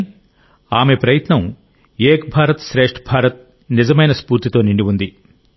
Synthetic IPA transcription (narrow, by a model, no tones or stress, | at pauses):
aːme̞pɾɐjɐt̪nɐm | eːkbʱaːɾɐt̪ʃɾeːʂʈbʱaːɾɐt̪̚ | nizɐmɐjnɐspuːɾt̪it̪o̞ːniɳɖiʋund̪i